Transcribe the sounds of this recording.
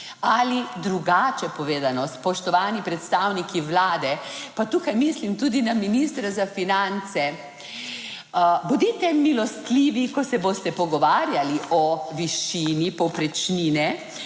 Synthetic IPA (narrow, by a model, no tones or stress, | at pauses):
alid̪ɾuɡaːt͡ʃɛpɔʋeːd̪anɔspɔʃt̪ɔʋaːnipɾɛt̪st̪awnikʰiʋlaːd̪ɛpat̪uːkajmislimt̪ud̪inaminist̪ɾazafinant̪sɛ | bod̪it̪ɛmilɔst̪liːʋikɔsɛboːst̪ɛpɔɡɔʋaːɾjaliɔʋiʃiːnipɔwpɾɛt͡ʃniːnɛ